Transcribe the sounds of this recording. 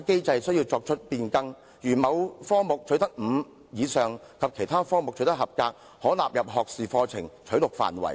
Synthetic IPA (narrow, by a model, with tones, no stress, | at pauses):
ke˥jt͡sɐ˧jsɵ˥ɥjiː˧wt͡sɔː˧k̚t͡ʃʰɵ˥t̚piː˧nkɐ˥ŋ | jyː˨˩mɐ˨˧wfɔː˥ŋmʊ˨k̚t͡ʃʰɵ˨˥ɥt̪ɐ˥k̚m̩ː˨˧˥ | jiː˨˧sœː˨˩ŋkʰɐ˨p̚kʰe˨˩jt̪ʰaː˥fɔː˥ŋmʊ˨k̚t͡ʃʰɵ˨˥t̪̚hɐ˨p̚kaː˧k̚ | hɔː˨˥la̰ː˨p̚jɐ˨p̚ɦɔː˨k̚siː˨fɔː˧t͡sʰɪ˨˩ŋt͡ʃʰɵ˨˥ɥlʊ˨k̚fa̰ː˨˩nwɐ̰˨˩j